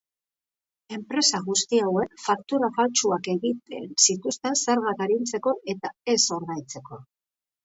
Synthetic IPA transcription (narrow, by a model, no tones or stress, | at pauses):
e̞mpɾe̞saɣust̪iawe̞kfak̚t̪uɾafalt͡ʃuake̞ɣit̪e̞̰nsit̪ust̪e̞nseɾɣat̪aɾint͡se̞ko̞ʔe̞t̪ae̞so̞ɾðajt͡se̞ko̞